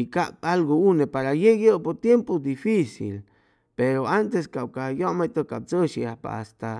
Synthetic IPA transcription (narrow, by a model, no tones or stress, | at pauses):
ikapalɡounepaɾajeɡopoɾt̪jempod̪ifisḭl | peɾoant̪eskawkajoʔmet̪okab̚t͡soʃiahpa̰ast̪a